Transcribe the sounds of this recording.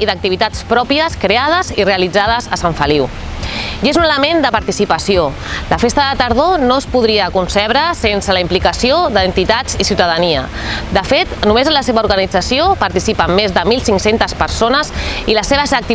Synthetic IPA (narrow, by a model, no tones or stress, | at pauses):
iðək̚t̪iβit̪at͡spɾɔpiəskɾeað̞əzireəlid͡zað̞əzəsaɱfəliw | ezunələmend̪əpaɾt̪isipəsio | ləfest̪əðət̪əɾð̞onospuðɾiəkunsɛβɾəsensələimplikəsioðəːnt̪it̪ad͡zisiuwt̪əðəniə̰ | d̪əfet̪numezənləseβəuɾɣənid͡zəsiopaɾt̪isipəmːezðəmilˠsiŋksent̪əspəɾsonəziləseβəsək̚t̪i